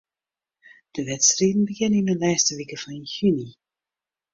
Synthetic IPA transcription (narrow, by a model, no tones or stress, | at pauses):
d̥əvɛtstriːdn̩bəɡɪnɪnəlaːstəvikəfɔnɪnçʉni